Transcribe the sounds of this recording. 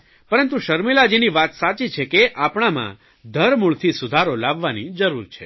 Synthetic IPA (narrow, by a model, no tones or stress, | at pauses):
pəɾənt̪uʃəɾmilad͡ʒiniʋat̪sat͡ʃit͡ʃʰekeʔapɳ̃amã̰ | d̪ʱəɾmuɭt̪ʰisʊd̪ʱaɾolaʋːanid͡ʒəɾuɾt͡ʃʰḛ